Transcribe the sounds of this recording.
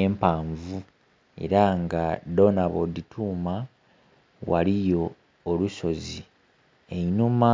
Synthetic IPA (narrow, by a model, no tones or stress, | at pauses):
eːmpaːɱvu | e̞̰ɾaŋɡado̞naβod̪itʰuːma | wa̰lijo̞ː | luso̞zi | enuma